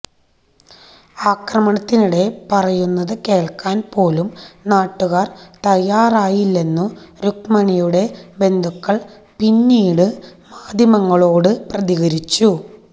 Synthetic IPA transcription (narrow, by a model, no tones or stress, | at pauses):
aːkrɐmɐɳɐt̪ːinuɽe̞pɐrɐjunːɐðɨke̞ːɭkːaːnpo̞ːlumnaːʈːuɣaːrt̪ɐjːaːraːjilːe̞nːuɾukmɐɳijuɽe̞be̞nd̪ʱukːɐɭ | pinːiːɽɨmaːd̪ʱjɐmɐŋːɐɭo̞ːɽɨprɐðiɣɐɾit͡ɕːu